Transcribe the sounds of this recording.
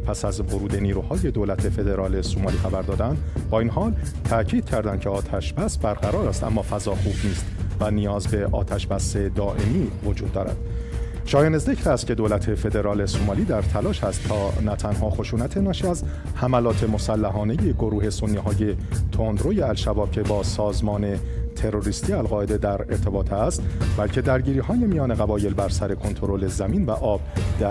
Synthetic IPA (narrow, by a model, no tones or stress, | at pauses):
pʰæsæzvo̞ɾuːd̪e̞niːɾuːhɒːje̞d̪oːlæt̪ʰe̞fe̞d̪e̞ɾɒːlesomɒːliːxæbæɾd̪ɒːd̪ænd̪bɒːinɦɒːl | t̪ʰæcʰiːd̪̥̚cʰæɾd̪ænd̪̚cʰe̞ɒːt̪ʰæʃbæsbæɾʁæɾɒːɾæst̪æ̰mːɒːfæzɒːxuːb̥niːst̪vænijɒːzbe̞ʔɒ̰ːt̪ʰæʃbæse̞d̪ɒːʔe̞miːvo̞d͡ʒuːd̪ːɒːɾæ̰d̪̥̚ | ʃɒːjenezecʰɾæst̪̚cʰe̞d̪olæt̪ʰe̞fe̞d̪e̞ɾɒːle̞somɒːliːd̪æɾt̪ʰælɒːʃhæst̪ːʰɒːnæt̪ʰænɦɒːxo̞ʃuːnæt̪ʰe̞nɒːʃiæz | hæmælɒːt̪ʰe̞mo̞sælːæɦɒːne̞je̞ɡo̞ɾuːhe̞so̞nːiːhɒːje̞t̪ʰond̪ɾoje̞ælʃæbɒːb̥̚cʰe̞bɒːsɒːzmɒːne̞ | t̪ʰe̞ɾo̞ɾiːst̪iːælɣɒːe̞d̪e̞d̪æɾe̞̰ɾt̪ʰe̞bɒːt̪ʰæst̪bælcʰe̞d̪æɾɟiːɾiːhɒːjemijɒːne̞ɣæbɒːje̞lbæɾsæɾe̞kʰo̞nt̪ʰo̞ɾole̞zæmiːnvæʔɒːb̥d̪̥æ